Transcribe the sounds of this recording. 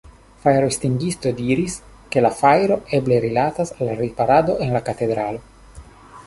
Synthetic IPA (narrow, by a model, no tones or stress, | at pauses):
fajɾost̪iŋɡist̪o̞d̪iɾis | ke̞lafajɾo̞ʔebleɾilat̪asalɾipaɾad̪o̞ʔenlakat̪e̞d̪ɾalo̞